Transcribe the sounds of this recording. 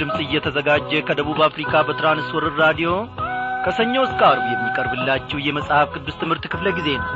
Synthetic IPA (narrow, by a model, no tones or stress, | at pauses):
ɨmsʼɨjːɛt̪ʰəzəɡad͡ʒːɛkʰəd̪əβuβafɾikʰabət̪ʰɾanɨswɔɾɨɾːad̪ijo̞kʰəsəɲːowɨskʼaɾujɛmːikʼəɾbɨlːat͡ʃːɛhwjɛməsʼhafkʰɨd̪ːust̪ʰɨmhɨɾt̪kʰɨfləɡize̞nəw